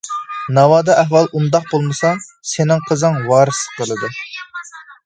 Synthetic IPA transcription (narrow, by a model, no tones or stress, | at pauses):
nɑwɑːd̪ɑʔɛɦwɑlˠʔund̪ɑq̚bolˠmɨsɑsenɪŋqʰəzɨŋwɑːɾɨsə̥qʰəlˠɨd̪ɨ